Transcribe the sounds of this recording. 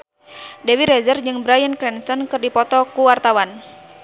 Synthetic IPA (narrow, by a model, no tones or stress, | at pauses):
dɛwiɾɛzərd͡ʒɨŋbɾajənkɾɛnsɔnkɨrdipɔt̪ɔkuwart̪awan